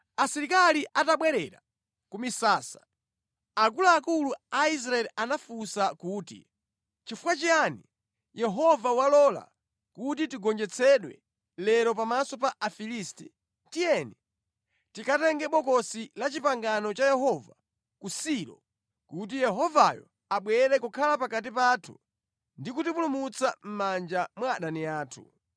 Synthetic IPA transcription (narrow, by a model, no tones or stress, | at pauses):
asiɾikaliʔataɓwɛɾɛɾa̰ | kumisaːsḁ | akulaːkuluais̬ɾaɛliʔanafusakuːtḭ | t͡ʃifukwat͡ʃiani | jɛɦɔvawalɔla̰ | kutitiɡɔnd͡ʒɛt͡sʰɛɗwɛ̰ | lɛɾɔpamasɔpaʔafilisti | tijɛni | tikʰatɛŋɡɛɓɔkɔsilat͡ʃipaŋɡanɔt͡ʃajɛhɔva | kusiɾɔ̰ | kut̬ijɛɦɔvajɔ̰ | aɓwɛɾɛkukʰalapakat̬ipaːtʰṵ | ndikutipulumut͡sʰam̩mand͡ʒamwaɗaniaːtʰṵ